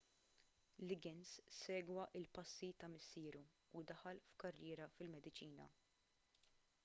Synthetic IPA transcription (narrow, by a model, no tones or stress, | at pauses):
lɪɡɪnssɛːɡwɐʔɪlpɐsːit̪ɐmɪsːɪːɾuː | d̪ɐħɐlfkɐrːɪːɾɐfɪlmɛd̪ɪt͡ʃiːnɐ̰